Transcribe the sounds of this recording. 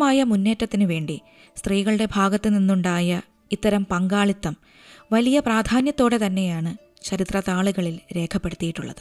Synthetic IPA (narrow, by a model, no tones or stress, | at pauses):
maːjɐmunːe̞ːtːɐt̪ːinɨʋe̞ːɳɖi | st̪riːɣɐɭɨɽe̞bʱaːɡɐt̪ːɨninːuɳɖaːjɐ | it̪ːɐɾɐmpɐŋɡaːɭit̪ːɐm | ʋɐlijɐpraːd̪ʱaːnjɐt̪ːo̞ːɽe̞t̪ɐnːe̞jaːɳɨ | t͡ɕɐɾit̪rɐt̪aːɭuɣɐɭilɾe̞ːkʰɐpːe̞ɽut̪ːijiʈːuɭːɐ̰ðɨ